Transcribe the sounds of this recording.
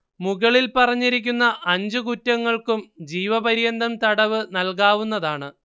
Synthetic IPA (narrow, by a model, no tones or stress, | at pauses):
muɣɐɭilpɐrɐɲːiɾikʲːunːɐʔɐɲd͡ʑɨkutːɐŋːɐɭkumd͡ʑiːʋɐbɐɾijɐnd̪ɐmt̪ɐɽɐʋɨnɐlkaːʋunːɐðaːɳɨ